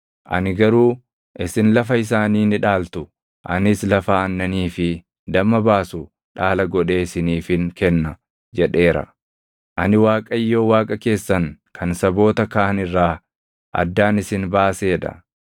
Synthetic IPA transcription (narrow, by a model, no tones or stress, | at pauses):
ʔɐ̰nɪɡɐɾuː | ʔɪsɪnlɐfɐɪs̬aːniːnɪᶑaːlt̪ʊ | ʔɐ̰nɪslɐfaɐnːɐniːfɪ | d̪ɐmːɐbaːsʊ | ᶑaːlɐɡɔᶑe̞ːɪsɪniːfɪŋkɛnːɐ | d͡ʒɛᶑe̞ːɾɐ̰ | ʔɐnɪwaːkʼɐjːo̞ːwaːkʼɐke̞ːsːɐŋkʰɐnsɐbo̞ːt̪ɐkaːʔɐnɪrːaː | ʔɐ̰d̪ːaːnɪsɪnbaːseːᶑ̪ɐ̰